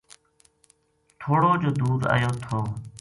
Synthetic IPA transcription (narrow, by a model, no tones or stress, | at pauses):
t̪ʰoːɽoːd͡ʒoːd̪uːɾa̰ːjoːt̪ʰoː